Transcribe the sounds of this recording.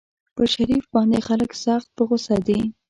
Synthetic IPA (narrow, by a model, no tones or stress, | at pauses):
pəʃaɾifbɑnd̪exaləksɑxt̪̚pəɣosɑd̪i